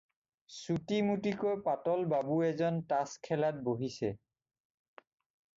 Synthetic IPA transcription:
sutimutikojpatɔlbabuɛzɔntaskʰɛlat̚boɦisɛ

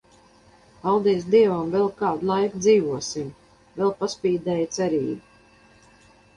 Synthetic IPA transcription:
alˠd̪iːs̬d̪iɛvamvɛlˠkaːd̪lˠajkd̪ziːvuɔsim | vɛlˠpaspiːd̪ɛːjt̪sɛɾiːbu

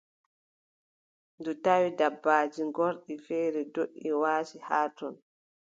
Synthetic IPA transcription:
ndutawidabːaːd͡ʒiŋɡɔɾɗifɛːɾɛdoʔʲːiwaːsihaːtɔn

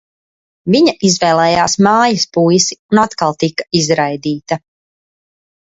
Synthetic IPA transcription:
viɲaʔizvɛːlˠɛːjaːsmaːjɐspujsi̥unat̪kalˠt̪ikːaizɾajd̪iːt̪ɐ

